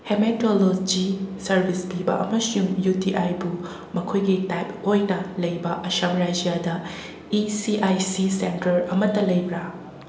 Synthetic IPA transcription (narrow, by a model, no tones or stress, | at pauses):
hemetolod͡ʒisɐɾbʱispibɐ̰ʔɐ̰mɐsuŋjutiʔajbu | mɐkʰojɡitajpojnɐlɐjbɐʔɐʃɐmɾajd͡ʒijadɐ | isiʔajsisentɐɾɐmɐtɐlɐjbɾa